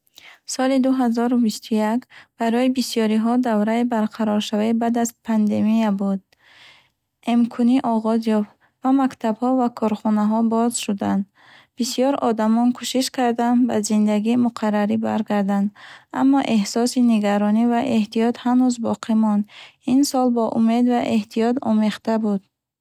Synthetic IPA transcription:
sɔlid̪uɦazɔɾubist̪ʰujakb̥aɾɔibisjɔɾiɦɔd̪avɾaibaɾqʰaɾɔɾʃavaibad̪azpʰand̪e̞miabud̪̚ | emkʰuniʔɔʁɔzjɔft̪ | vamakt̪ʰabhɔvakʰɔɾχɔnaɦɔbɔzʃud̪and̪ | b̥isijɔɾɔd̪amɔnkʰuʃiʃkaɾd̪and̪ba̰zind̪aɡiːmuqʰarːaɾiba̰ɾɡaɾd̪and̪a̰mːɔʔe̞hsɔsiniɡaɾɔnivaʔe̞ht̪ijɔt̪hanuzbɔqʰimɔnd̪insɔlbɔʔume̞d̪vaʔe̞ht̪ʰijɔt̪ɔ̰meχt̪abud̪

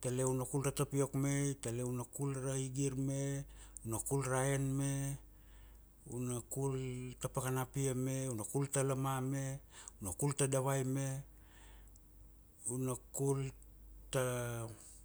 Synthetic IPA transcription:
taleunakulɾatapio̞kme̞jtaleunakulɾaiɡiɾmeunakulɾaenme | unakultapakanapiame̞unakultalamame̞unakultadaβajme̞ | unakul | ta

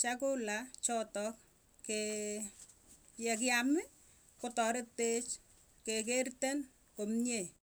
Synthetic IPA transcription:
t͡ʃakolat͡ʃɔtɔk | ke | jɛk̬ɪamɪ | kotɔɾɪt̚pet͡ʃ | kek̬ertɛn | komɲe

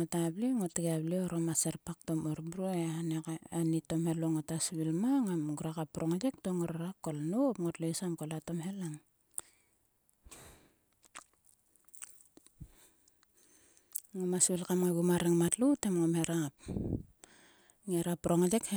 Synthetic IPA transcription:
ŋotabliŋotiɡablioɾomaseɾpak̚to̞moɾbuɾoeanekanito̞mhe̞loŋotasβilmaŋamɡuɾakapːɾoŋad͡ʒek̚toŋoɾaɾakolnopŋotlesamkolato̞mɦe̞laŋ | ŋomasβilkamŋaɡumaɾeŋmatlutemŋomheɾap̚ | ŋeɾapːɾoŋed͡ʒekhe

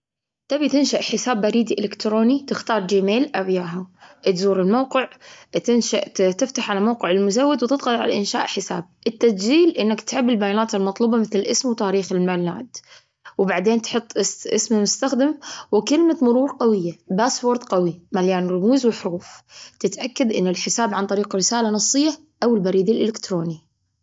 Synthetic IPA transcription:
t̪abit̪ɪnʃaʔħɪsaːbːaɾiːd̪iʔɪlɪkt̪ɾoːnit̪ɪxt̪ɑːɾˤd͡ʒimeːlʔabjaːɦaʔt̪zuːɾɪlmawqɪʕt̪ɪnʃaʔt̪ɪft̪aħʕalamawqɪʕɪlmʊzawːɪd̪wt̪ɪd̪ɣɑlʕa̰laʔɪnʃa̰ːʔħɪsa̰ːb̚ʔɪt̪ːadd͡ʒiːlʔɪnːakt̪ʕɪbːɪlbajaːnaːt̪ɪlmɑt̪ˤluːbɑmɪθlɪlʔɪsmwt̪aːɾiːxɪlmalːa̰ːd̪ | wɪbaʕd̪eːnt̪ħʊt̪ˤːʔɪsʔɪ̰smmʊst̪axd̪ɪmwɪkɪlmamʊɾuːɾqɑwɪjːabaːsfoːɾd̪qawimaljaːnɾˤʊmuːzwɪħʊɾuːft̪ɪt̪ʔakːad̪ʔɪnːɪlħɪsaːbʕant̪ˤɑɾiːqɾɪsaːlanɑsˤːɨjːa | ʔawɪlbaɾiːd̪ɪlʔɪlɪkt̪ɾoːni

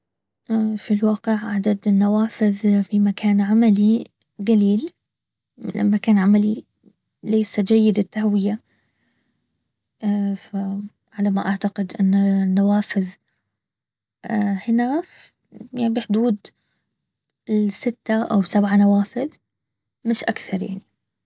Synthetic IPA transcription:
ʔfilwaːqɪʕʕad̪ad̪ɪnːawaːfɪðfimakʰaːnʕamali | ɡaliːl | lʔa̰mːakaːnʕamali | leːsad͡ʒajːɪd̪ɪt̪ːahwɪja | fa | ʕalamaʔaʕt̪aqɪd̪ʔɪnːanːawaːfɪð | hɪnaf | jabɪħd̪uːd̪ | ɪsɪt̪ːaʔa̰wsabʕanawaːfɪð | mɪʃʔakθɑɾˤja̰ʕni

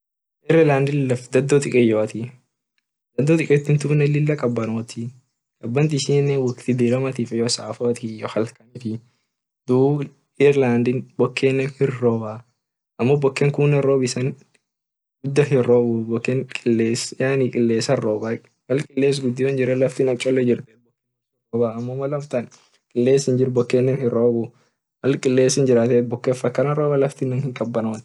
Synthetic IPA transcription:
ʔɪɾɪlaːnd̪ɪlɐfd̪ɐd̪ːɔt̪ʼɪkʼɛjɔːɐt̪i | d̪ɐd̪ːɔt̪ʼɪkʼɛt̪ːɪnt̪uːnɛlɪlːɐkʼɐbːɐnoːt̪ʰi | kʼɐbːɐnt̪ɪsɪnːɛwɐkt̪ɪd̪iːlɐmɐt̪iːfɛjɔsaːfɔɐt̪ʰijɔhɐlkɐnit̪ɪ | d̪uː | ɪɾland̪ɪnbɔkʰːeːnːɛnhɪrːoːba | ʔɐmːɔbɔkːɛŋkuːnɐroːbɪsɐn | ɡʊd̪ːɐɦɪroːbubɔkːɛnkʼɪlːeːsjaːnikʼɪlːeːsɐrːoːba | wɐlkʼɪlːeːs̬ɡʊd̪ːiːwɐnd͡ʒɪɾɛlɐft̪inɐt͡ʃʼɔlːɛd͡ʒɪɾt̪ɛbɔkːeːn | ɪroːbaːɐmːɔmːɐlɐmt̪ɐn | kʼɪlːeːsɪnd͡ʒɪɾbɔkːeːnːɛnhɪɾoːbu | wɐlkʼɪlːeːsɪnd͡ʒɪɾaːt̪ɛt̪̚bɔkːeːfɐkːɐnɐɾoːbɐlɐft̪inːɐnhɪŋkʼɐbːɐnɐwɐn

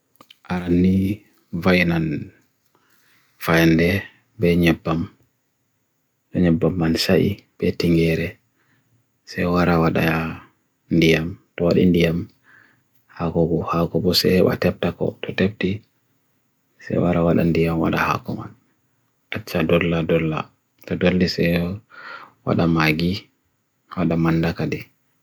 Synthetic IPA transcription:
ʔaɾanːi | vajnan | fajndɛ | bɛɲɛbːam | ɗɔɲɛbːamːansaʔḭb̥ɛtiŋɡɛɾɛ | sɛjwaɾawaɗa | ndijamtɔwaɗḭndijam | hakɔɡɔhakɔbɔsɛ̰hɛɓa̰tɛp̚takɔ̰tʰɔtep̚ti | sɛ̰jwaɾawaɗa̰ndijamwa̰ɗaha̰kɔma̰n | ʔat͡ʃːadɔlːadɔlːa̰ | tɔdolːisɛ | wa̰ɗamaɡi | waɗamandakadi

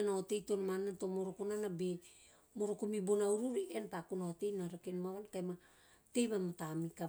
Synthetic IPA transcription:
naote̞jtonamananto̞moɾokonanabe | moɾokomibonauɾuɾiʔentakunaote̞jnaɾakenmaβankajma | te̞jβamatamika

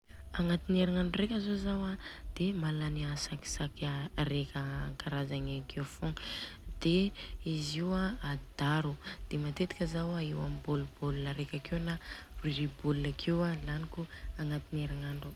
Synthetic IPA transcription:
aŋat̪ineɾaŋaɳɖ͡ʐrekʲazozawad̪̥emalaniasaki̥sakarekʲəkaɾazaŋekewfoŋd̪̥eiziwaːd̪̥aɾud̪̥emat̪et̪i̥kʲəzawaewamibolubolunəɾekʲakewnariɾibolunakʰewalanikuaŋat̪inieɾaŋaɳɖ͡ʐu

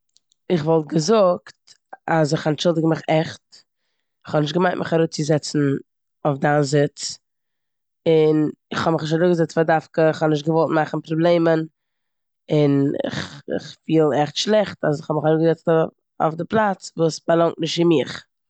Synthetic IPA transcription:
ɪχvɔlˠt̚ɡəzʊkt | az̬ɪχant͡ʃɪlˠdɪɡmɪχɛχt | ɪχhɔbnɪʃtɡəmaɪntmʔɪχaɾuːt͡sɪzɛt͡sn̩ | oʊfdanzɪt͡s | ɪnɪχhɔbmɪχnɪʃtaɾuːɡəzɛt͡stfadafkəɪχhɔnɪʃ̬t̚ɡəvɔlˠt̚maχn̩pɾɔblˠeɪmən | ɪnɪ̰χɪ̰χfiːlˠɛχtʃlˠɛχtas̬ɪχɔbmɪχaɾuːɡəzɛt͡st | o̰fdɪplˠat͡svuːsfalˠaŋtmɪʃtɪmɪχ

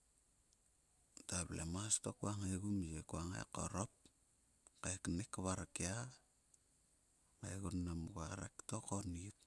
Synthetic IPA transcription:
taβlemastokuaŋeɡumjekuaŋḛko̰ɾop̚ | keknekaβaɾakea | ŋaɡunːamuɡaɾa̰ktokonit̚

